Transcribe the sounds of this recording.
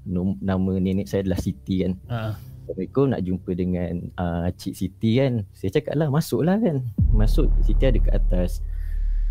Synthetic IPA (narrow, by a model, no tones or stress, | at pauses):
nonamə̃nenɛʔsajadalahsit̪ikansamikona̰ʔd͡ʒumpədəŋanəat͡ʃiʔsit̪ikansajat͡ʃaka̰ʔ̪̚lahmasʊʔlahkanmasʊʔsit̪iadəkaʔat̪as